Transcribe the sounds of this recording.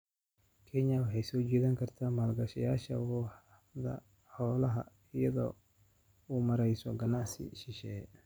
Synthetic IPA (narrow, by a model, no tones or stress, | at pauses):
kʰɛɲɐwɑħɑjsɔːt͡ʃɛːðɐŋkʰɐrt̪ʰaːmɐːlɡɐʃɐjaːʃɐ̰wɔːħ | ðɐ̰ | ħɔːlɐɦɐ̰ | ɪjɐðɔ̰ː | uːmɐɾɛjsɔɡɐnaʕsɪ̰ʃɪʃɛ